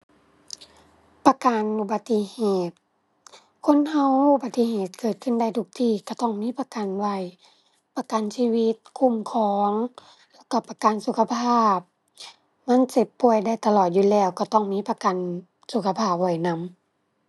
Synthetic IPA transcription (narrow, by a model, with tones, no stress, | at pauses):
pa˧ka˨nʔu˧˩ba˧t̪ːi˧heː˧˩t̪̚ | kʰo˧˥˨nha˧wu˧ba˧t̪ːi˧˨ɦeː˨˩t̪̚kɤː˨˩t̪̚kʰɯ˧˥˨nda˧˩˨jt̪ʰu˧k̚t̪ʰiː˧˩ka˧˩t̪ɔ˧˩ŋmiː˧˥˨pa˧ka˨nwa˧˩j | pa˧ka˨nsiː˧wi˧t̪̚kʰu˧˨mkʰɔː˨˧˦ŋ | lɛ˧˩wka˧˩pa˧ka˨nsu˧kʰa˧pʰaː˧˩p̚ | ma˧˥˨nse˧˩pːu˧˩əjda˧˩jt̪a˧lɔː˨˩t̪̚juː˧˨lɛː˧˩˨wka˧˩t̪ɔ˧˩ŋmiː˧˥˨pa˧ka˨n | su˧˩kʰa˧pʰaː˧˩p̚wa˧˩jna˧˥˨m